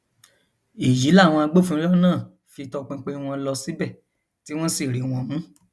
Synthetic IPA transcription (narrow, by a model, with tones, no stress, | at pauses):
i˨d͡ʒi˨˦la˦˨w̃ɔ̃˧a˧ɡ͡bo˦fũ˧˦ɔ˦nãː˦˨ | fi˧tɔ˧k͡pẽ˧k͡pe˧w̃ɔ̃˧lɔ˧si˨˦bɛ˦˨ | ti˦w̃ɔ̃˦si˦˨ɾi˨˦w̃ɔ̃˧mũ˨˦